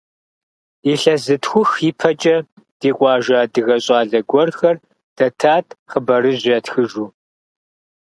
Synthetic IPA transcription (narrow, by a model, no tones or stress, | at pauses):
iɬɐzɨtxʷʊxipʰɐt͡ʃʼɐ | d̥iːqʷʼɑːʒaːdɨɣɐɕʼɑːɮɐɡʷɔrxɐr | d̥ɐtʰaːtʰχəbɐɾɨʑʷɐtxɨʒuː